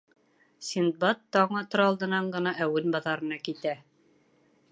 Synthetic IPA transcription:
sʲind̪̚bɑt̪ːɑɴɤt̪ŏɾɑlˠd̪ɤ̆nɑɴɢɤ̆nɑʔæwɘnbɑðɑɾɤ̆nɑkit̪æ

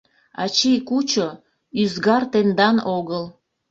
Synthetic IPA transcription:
ɑ̰t͡ɕijkut͡ɕo | yzɡɑrt̪end̪ɑnoɣəl

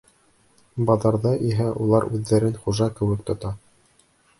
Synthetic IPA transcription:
bɑðɑɾðɑʔiɦæʔulˠɑɾʉðːæɾɘnχuʒɑkɘ̆wɘk̚t̪ŏt̪ɑ

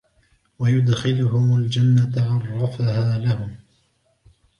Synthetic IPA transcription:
wajʊd̪xɪlʊɦʊmʊld͡ʒanːat̪aʕɑrˤːɑfahaːlahʊm

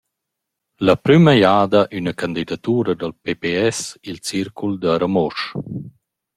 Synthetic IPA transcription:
lapɾyməjaːd̪aʔynakand̪id̪at̪uːɾad̪alpepeɛsilt͡siɾkuld̪əɾamɔʃ

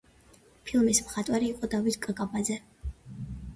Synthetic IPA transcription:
pʰilˠmismχat̪ʼwaɾiːqʼɔd̪avit̪ʰkʼkʼabad̪zɛ

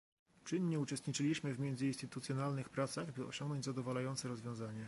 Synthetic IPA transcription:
t͡ʂɘɲːɛut͡ʂɛst̪ɲit͡ʂɘlʲiɕmɘvmʲjɛnd̪zɘinst̪ɘt̪ut̪sʲjɔnalnɘxpɾat̪saɣbɘɔ̰ɕɔŋɡnɔɲd͡ʑzad̪ɔvalajɔnt̪sɛɾɔzvʲjɔ̃w̃zaɲɛ

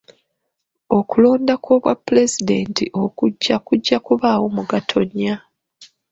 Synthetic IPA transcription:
o̞kulo̞ːndakoβwa̰pːule̞zide̞ntiʔo̞kuɟːakuɟːakuβaːwo̞muɡatʰo̞ɲːa

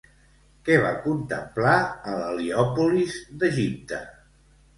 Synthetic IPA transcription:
kɛβa̰kunt̪əmplaələliɔpulizd̪əʒip̚t̪ə

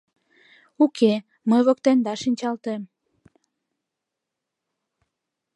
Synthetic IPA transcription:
ukʰe | məjβokt̪end̪ɑʃinʲt͡ɕɑlt̪em

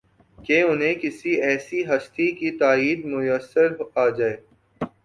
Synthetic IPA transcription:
keʊnɦẽkɪsiɛːsiɦɐst̪ikit̪aːiːd̪mʊjəsːəɾaːd͡ʒaːeː

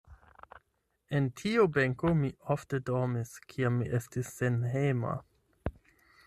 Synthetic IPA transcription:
e̞ntʰiube̞ŋkomiofte̞domiskʰiamːiʔestisːe̞nɦema̰

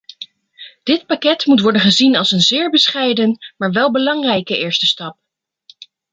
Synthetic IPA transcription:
d̥ɪt̚pakɛtmutʋɔɹdənχəzinɑlˠsənzɪːɹbəsχɛjdənmaːɹʋɛlˠbəlɑŋrɛjkəɪːɹstəstɑp̚

